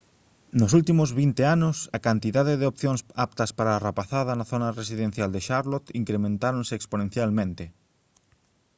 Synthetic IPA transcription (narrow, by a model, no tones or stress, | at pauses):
nʊsult̪imʊzβint̪eanʊsɐkant̪iðaðeðeopθjoŋsap̚t̪ɐspaɾaːrapaθaðɐnɐθonɐresiðẽn̟θjald̪eʃaɾlot̪iŋkɾemẽnt̪aɾonseksponẽn̟θjalmẽnt̪e